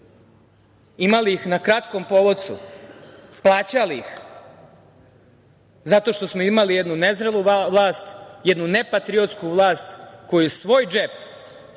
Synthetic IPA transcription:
imalixnakɾat̪ko̞mpo̞ʋot̪sṵ | plˠaːt͡ɕalix | zat̪o̞ʃt̪o̞smo̞imalijed̪nunezɾeluʋlaːst̪jed̪nunepat̪ɾio̞t̪skuʋlaːst̪ko̞jusʋo̞ːjd͡ʒep

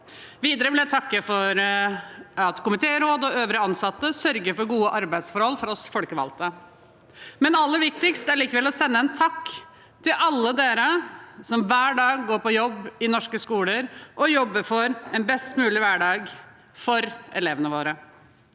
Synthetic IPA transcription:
ʋiːd̪əɾəʋɪljæt̪ʰɑkːəfɔɾ | ɑt̪kʊmɪt̪ʰeːəɾoːd̪ɔøːʋɾəɑnsɑt̪ːəsœɾɡəɾfɔɾɡuːəʔɑɾbæɪd̪sfɔɾhɔlːfɔɾɔsfɔlkəʋɑ̰lt̪ə | mɛnɑlːəɾʋɪk̚t̪ɪkst̪æɾɭiːkəʋɛlɔsɛnːəɛnt̪ʰɑkː | t̪ʰɪlʔɑlːəd̪eːɾəsɔmʋæːɖɑːɡːoːɾpɔjɔbːɪnɔʂkəskuːləɾʔɔjɔbːəfɔɾɛnbɛst̪mʉːlɪʋæɖɑːɡ | fɔɾɛleːʋənəʋoːɾə

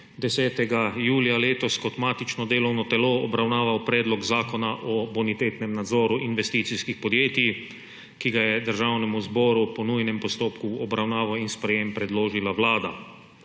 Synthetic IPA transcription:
d̪ɛsɛːt̪ɛɡajuːljaleːt̪ɔskɔt̪maːt̪it͡ʃnɔd̪eːlɔwnɔt̪ɛloːɔbɾawnaːʋawpɾɛːd̪lɔɡzaːkɔnaʔɔbunit̪eːt̪nɛmnad̪zɔːɾuʔinʋɛst̪iːt̪siskixpɔd̪jeːt̪i | kiɡajɛd̪əɾʒawnɛmuzbɔɾupɔnujnɛmpɔst̪oːpkuɔbɾawnaːʋawinspɾɛjeːmpɾɛd̪loːʒilawlaːd̪a

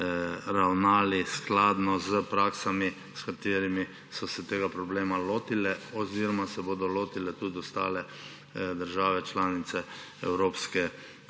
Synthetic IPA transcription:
ɾawnaːlisklaːd̪nɔzəpɾaːksami | skat̪eːɾimi | sɔsɛt̪eːɡapɾɔbleːmaloːt̪ilɛɔziːɾɔmasɛboːd̪ɔloːt̪ilɛt̪ud̪ɔst̪a̰ːlɛ | d̪əɾʒaːʋɛt͡ʃlaːnit̪sɛ | ɛwɾoːpskɛ

